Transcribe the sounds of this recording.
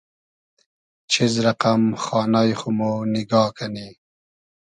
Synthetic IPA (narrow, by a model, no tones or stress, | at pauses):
t͡ʃʰizɾaqamxɑːnajxumonɪɡɑːkʰani